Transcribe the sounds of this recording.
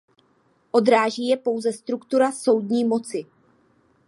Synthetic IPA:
ʔo̞d̪ɾaːʒiːjɛpo̞wzɛst̪ɾukt̪uɾaso̞wdɲiːmo̞t͡sɪ

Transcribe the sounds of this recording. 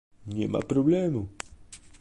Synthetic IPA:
ɲḛma̰pɾoblemʊ

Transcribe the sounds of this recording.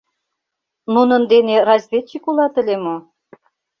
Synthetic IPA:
nunə̆nd̪enerɑzʲvʲet͡ɕikulˠɑt̪ə̆lʲemo

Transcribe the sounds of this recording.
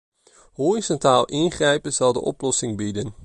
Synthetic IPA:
hoːrizɔntaːlˠʔɪnχrɛjpənz̥ɑlˠdə̰ʔɔ̰plɔsɪŋbidən

